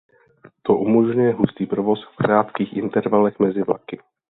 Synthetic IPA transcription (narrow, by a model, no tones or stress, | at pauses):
t̪o̞ʔumo̞ʒɲujɛɦust̪iːpɾovo̞sfkɾaːt̪kiːxʔɪnt̪ɛɾvalɛxmɛzɪvla̰kɪ